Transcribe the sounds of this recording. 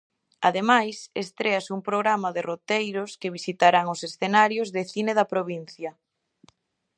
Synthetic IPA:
aðemajsest̪ɾeasumpɾoɣɾamɐðerot̪ejɾʊskeβisit̪aɾaŋʊsesθenaɾjozðeθineðɐpɾoβin̟θjɐ

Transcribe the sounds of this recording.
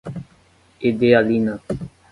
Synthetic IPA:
ed̪eːaliːnaː

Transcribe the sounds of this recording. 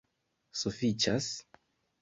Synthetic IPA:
sufit͡ʃas

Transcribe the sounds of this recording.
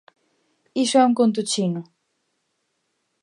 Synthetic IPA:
isʊɛuŋkont̪̬ut͡ʃinʊ

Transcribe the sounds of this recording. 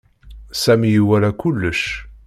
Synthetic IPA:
sæmijiwælækulːəʃ

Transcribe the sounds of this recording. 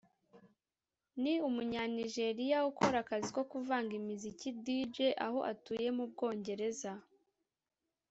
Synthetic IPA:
niumuɲaniʒe̞ɾijaukoɾakazikokuvaːŋɡimizicidiːd͡ʒe̞ʔaɦo̞ʔatuːje̞mub̚ɡo̞ːɲɟe̞ɾe̞za

